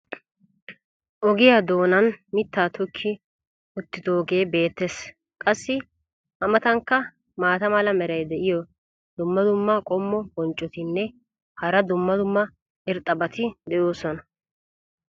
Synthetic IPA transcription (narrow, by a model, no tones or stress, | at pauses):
ʔɔɡɪjaːd̪o̞ːnɐnmɪt̪ːaːt̪ʰɔkʰːɪ | ʔʊt̪ːɪd̪o̞ːɡe̞ːbe̞ːt̪ːes | kʼɐsːɪ | ʔɐmɐt̪ɐŋkːɐ | maːt̪ɐmɐlɐmɛɾɐjd̪ɛʔɪjɔ | d̪ʊmːɐd̪ʊmːɐkʼɔmːɔbɔnt͡ʃʼːɔt̪ɪnːɛ | hɐɾɐd̪ʊmːɐd̪ʊmːɐ | ɪɾt̪ʼːɐbɐt̪ʰɪd̪ɛjoːsɔnɐ